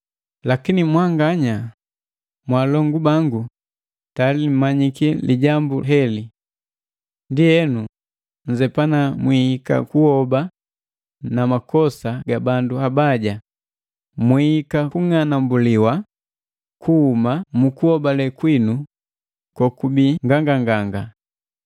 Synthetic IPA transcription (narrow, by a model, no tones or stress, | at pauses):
lakinimwaŋɡaɲa | mwalɔŋɡubaŋɡu | talim̩maɲikiliɟambuɦɛli | ndijɛnu | ɲ̩d͡ʒɛpanamwihika̰kuhɔba | namakɔsaɡabanduhabaɟa | mwiikakuŋanambuliwa | kuhumamukuhɔbalɛkwinu | kwɔkubiŋɡaŋɡaŋɡaŋɡa